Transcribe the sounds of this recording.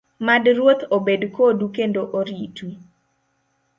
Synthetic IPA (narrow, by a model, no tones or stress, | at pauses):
madɾwot̪obedkodukendoʔoɾitwi